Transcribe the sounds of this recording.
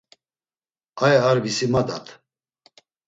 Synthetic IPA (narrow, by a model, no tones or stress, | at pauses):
ajɛaɾbisimad̪a̰t̪ʰ